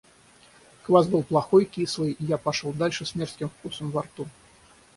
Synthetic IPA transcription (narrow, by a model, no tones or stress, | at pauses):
kvazbɨlˠplˠaxɔjkʲislˠəjijapaʂɔlˠd̪alʲʂɨsʲmʲɛrt̪skʲimfkusɐmvart̪u